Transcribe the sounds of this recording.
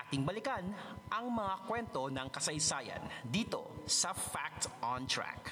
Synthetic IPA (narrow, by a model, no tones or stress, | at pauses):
at̪ɪŋbɐlɪkanʔɐŋmɐŋakwɛnt̪o̞nɐŋkɐsɐjsaːjɐ̰nd̪iːt̪o̞̰sɐfak̚t̪ɐnt̪ɹa̰k